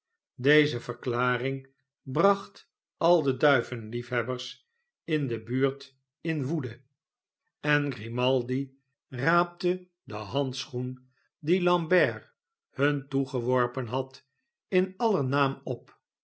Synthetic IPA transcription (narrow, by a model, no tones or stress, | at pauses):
dejzəvəɹklaːrɪŋ | brɑχt | ɑlˠdədœɥvənlifɦɛbəɹs | ɪndəbyːɹt | ɪnʋudə | ɛnɡrimɑlˠdi | raːp̚tə | dəɦɑntsχun | dilɑmbɛɹ | hɵntuχəʋɔɹpənɦɑt | ɪnɑlənaːmɔp